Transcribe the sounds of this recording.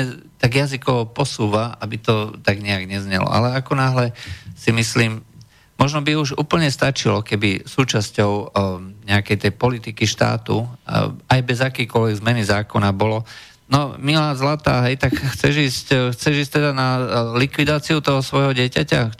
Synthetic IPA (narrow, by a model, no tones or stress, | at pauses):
ɛt̪aɡjazikɔʋɔpɔsuːʋaabit̪ɔt̪aɡɲɛaɡɲɛzɲɛlɔ̰ʔa̰lɛakɔnaɦlɛsimisliːm | mɔʒnɔbiuʒuːpl̩ɲɛst̪at͡ʃilɔkɛbisuːt͡ʃascɔʊɲɛakɛjt̪ɛjpɔlit̪ikiʃt̪a̰ːt̪ṵ | ajbɛzakɛjkɔlʋɛɡzmɛnizaːkɔnabɔlɔ | nɔmilaːzlat̪a̰ːɦɛjt̪akxt͡sɛʒiːscxt͡sɛʒiːsct̪ɛd̪analikʋid̪aːt͡siut̪ɔɦɔsʋɔjɦɔɟɪɛcaca